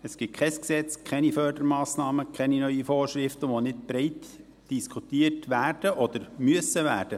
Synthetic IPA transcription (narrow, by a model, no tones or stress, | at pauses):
əsɡ̥ɪkʰɛsksɛt͡skʰɛnifœrdəɾmɑːsnɑːməkʰɛninœʏɥifoːrʃɾɪftəʋonɪtbɾɛɪt | d̥iskʰutiːtʋæːrd̥əʔɔd̥̪əɾmyəsəʋæːrd̥ə